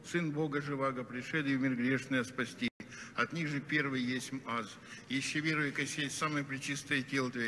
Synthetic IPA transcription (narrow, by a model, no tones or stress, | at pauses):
sɨnbo̞ɡəʐɨvaɡəpɾʲɪʂɛd̪ɪmʲɪrɡɾʲeʂnəjəspɐsʲtʲiɐt̪nʲiɣʐɨpʲe̞rvɨjjesʲtʲmaz | jɪɕːevʲervɨjkɐsʲesaməjəpɾʲɪt͡ɕist̪əjətʲelˠət̪vʲɪ